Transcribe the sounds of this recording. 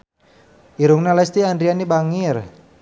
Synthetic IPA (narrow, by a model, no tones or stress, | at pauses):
iɾuŋnalɛst̪iandɾianibaŋir